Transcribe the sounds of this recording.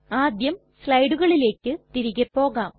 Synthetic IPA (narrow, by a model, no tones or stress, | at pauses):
aːd̪jɐm | sɭɐjɖuɣɐɭile̞ːkʲːɨt̪iɾiɣɐpːo̞ːɣaːm